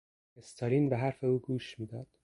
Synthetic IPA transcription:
est̪ʰɒːɾiːnbeɦæɾfe̞uːɡuːʃmiːd̪ɒːd̪̥

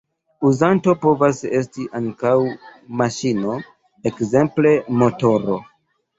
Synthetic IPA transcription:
uzanto̞po̞vase̞stiʔaŋkawmaʃino̞ | ekze̞mple̞mo̞to̞ɾo̞

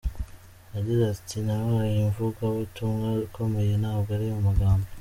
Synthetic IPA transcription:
aɟiɾaztinaβajiɱvukaβutuŋɡaikomejenaːhoɡaɾiumaɡaːmbo

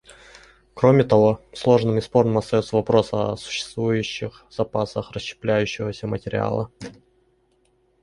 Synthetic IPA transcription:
kɾo̞mʲɪt̪ɐvo̞slˠo̞ʐnɨmɪspo̞rnəmɐst̪ɐjo̞t̪səvɐpɾo̞səɐsʊ̥ɕːɪ̥st̪vujʉɕːɪxzɐpasəxrəɕt͡ɕːɪ̥plʲæjʉɕːɪvəsʲəmətʲɪɾʲɪ̰a̰lˠə

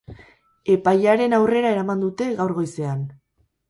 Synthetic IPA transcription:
e̞pajaɾe̞nawre̞ɾae̞ɾamand̪ut̪e̞ɣawɾɣo̞jse̞an

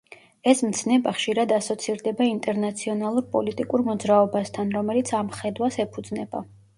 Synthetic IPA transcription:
ɛsmt̪sʰnɛbaχʃiɾad̪asɔt̪sʰiɾd̪ɛbaint̪ʼɛɾnat̪sʰiɔnalˠuɾpʼɔ̰lit̪ʼikʼuɾmɔd̪zɾaɔbast̪ʰanɾɔmɛlit̪sʰamχɛd̪wasɛpʰud̪znɛba̰

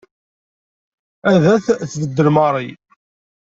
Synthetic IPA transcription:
æðæθθvəd̪ːəlmɑɾˤi

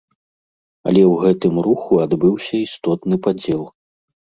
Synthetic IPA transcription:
ɐ̰lʲɛwɣɛt̪ɨmɾuxuad̪bɨwsʲɐist̪ɔt̪nɨpad͡zʲɛlˠ

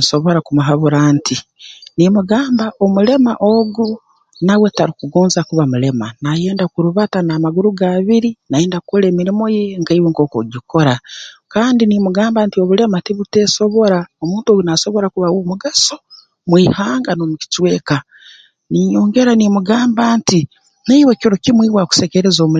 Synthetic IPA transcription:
nso̞βo̞ɾakumuɦaβuɾaːntinimuɡaːmbaʔo̞mule̞maʔo̞ɡu | nawe̞taɾikuɡoːnzakuβamule̞ma̰naje̞ːndakuɾuβatanaːmaɡuɾuɡaβiɾinaje̞ːndakoleːmiɾimo̞jeŋkaiweŋko̞ːkoɟikʰo̞ɾakaːndinimuɡaːmbaːntio̞βule̞mateβute̞so̞βo̞ɾaomuːntoɡunaso̞βo̞ɾakuβawomuɡaso | mwiːhaːŋɡanomuci̥t͡ʃwe̞ːka | nijoːŋɡe̞ɾanimuɡaːmbaːnti | naiwekiɾo̞kimwiːβwaku̥sekeɾezomu

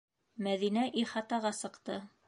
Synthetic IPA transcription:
mæðinæʔiχɑt̪ɑʁɑsɤ̆qt̪ɤ

